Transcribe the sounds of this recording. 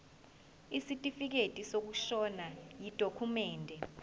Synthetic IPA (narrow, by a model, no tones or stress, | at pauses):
isitʼifik̬etʼisok̬uʃɔnajid̥ʱokʰumɛːndʱɛ